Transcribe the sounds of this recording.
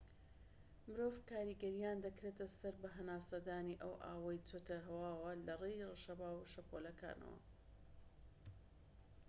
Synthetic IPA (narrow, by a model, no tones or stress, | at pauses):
mɨɾoːvkaːɾiːɡɐɾijaːnd̪ɐkɾeːt̪ʰɐsɐɾbɐɦɐnaːsɐd̪aːniʔɐwʔa̰ːwɐjt̪ʰot̪ʰɐɦɐwaːwɐlɐrejroʃɐbaːwuʃɐpʰolɐka̰ːnɐ̰wɐ̰